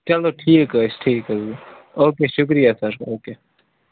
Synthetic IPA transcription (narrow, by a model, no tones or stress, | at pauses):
t͡ʃɐloːʈʰiːkəsʈʰiːkə | oːkeːʃʊk̬ɾijasɐɾoːkeː